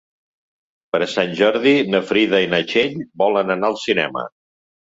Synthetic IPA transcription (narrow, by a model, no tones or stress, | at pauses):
pəɾəsanʲʒɔɾðinəfɾiðəinət͡ʃeʎbɔlənənaəlˠsinɛ̰mə̰